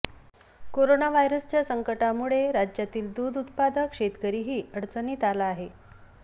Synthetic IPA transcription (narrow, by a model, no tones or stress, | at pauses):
koɾonaʋajɾəst͡ɕjasəŋkəʈamuɭeɾad͡ʑjat̪iːld̪uːd̪ut̪̚pad̪əkʂet̪kəɾiːɦiːəɽt͡səniːt̪alaːɦe